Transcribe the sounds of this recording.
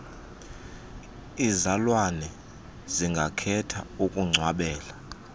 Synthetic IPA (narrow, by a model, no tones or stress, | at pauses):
izalwanɛ | ziŋɡʱakʰɛtʰa̰ukʼuŋ͡ǀʱwaɓɛːla